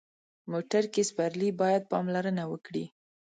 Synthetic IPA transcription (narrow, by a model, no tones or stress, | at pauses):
moʈaɾkespaɾlibɑjad̪̚pɑmlaɾənawəkɽi